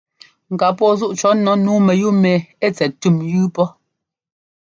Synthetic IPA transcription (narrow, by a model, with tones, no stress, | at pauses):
ŋ̩˨ka˨pɔ˦zu˦ʔt͡ʃɔ˨˦nɔ˨˦nuː˨˦mɛ˨ju˦mɛ˨e˦˨t͡sɛ˨ttu˦˨mjʉː˦pɔ˦